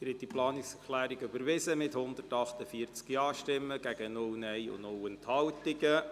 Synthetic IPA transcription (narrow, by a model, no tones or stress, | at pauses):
ɾhɛt̚d̥iplɑːnɪksɛklæːɾiɡybəɾʋɪsəmɪthʊnd̪ərtɑχt̪əfiːəɾt͡skiɑːʃtɪmːəɡ̥æɡənʊlnɛjʊ̰nʊwɛnthɑwtɪɡə